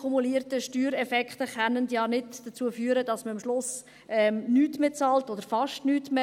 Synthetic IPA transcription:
umuliətəʃtyːɾɛfɛkχtəχanəntjɑːnɪdd̥ət͡suːəfyːəɾədɑsməɑmʃlʊs | ɛmnyːtmet͡sɑːltodəɾfɑʃtnyːtme

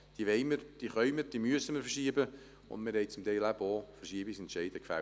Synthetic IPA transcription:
d̥iəʋɛɪməɾd̥iːχœʏməɾd̥iːmyəsəməɾfərʃiəbə | ʊ̰ndmɪɾhɛɪt͡sʊmt̪ɛɪlæbofərʃiəbisɛntʃɛɪdəkfæ̰

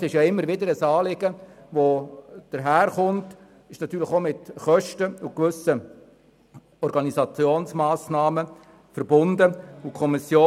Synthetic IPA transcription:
sɪʃjaɪmːəɾʋɪdəɾəsɑːlɪɡ̥əʋod̥əɾɦæːɾχʊnt | ɪʃnɑt̪ːyːɾləχomɪtχœʃtəʊkʋʏsə | ɔɾɡɑnizɑt͡sjoːnsmɑːsnɑːmə | fərbʊndəʊkʰɔmɪsjoː

